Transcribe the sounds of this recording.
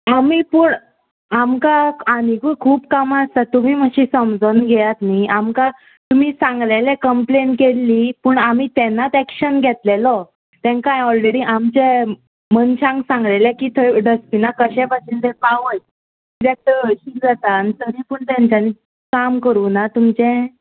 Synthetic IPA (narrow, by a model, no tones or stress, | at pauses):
amiːpuːɳ | amkaaniɡukʰuːpkamast̪at̪um̤iːməɕisəmd͡zənɡʱɛjat̪niʔamka | t̪um̤iːsãŋɡlelɛkəmplenʈkelːiːpəːɳamiːt̪ɛnːat̪ɛkɕənɡʱɛt̪lelɔ | t̪ɛ̃ŋkãjɔlɾeɽiːʔamt͡ɕe | mənɕãŋɡsãŋɡlelɛkiːt̪ʰəɖəspinakəɕɛ̃baend̪epaʋəj | iɾek̚ʈ̪əɕikd͡zat̪anit̪əɾipəɳt̪ãɲt͡ɕani | kamkəɾuːnat̪umt͡ɕɛ̃